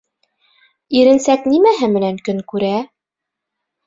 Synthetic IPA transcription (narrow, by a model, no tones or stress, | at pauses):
iɾɘ̆nsæknimæɦɘmɘ̆næŋkɵŋkʉɾæ